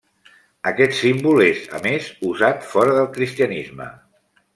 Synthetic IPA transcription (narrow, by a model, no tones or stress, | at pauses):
əkɛt̪simbulezə̰mezuzat̪fɔɾəðəlˠkɾist̪iənizmə̰